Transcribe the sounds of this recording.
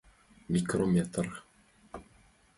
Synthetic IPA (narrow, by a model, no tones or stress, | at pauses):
mʲikromʲet̪r